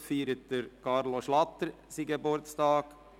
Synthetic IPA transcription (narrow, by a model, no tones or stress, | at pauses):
fiːɾət̚d̥əɾkʰɑɾloʃlɑt̪əɾ | siːɡebʊɾtstɑːɡ̥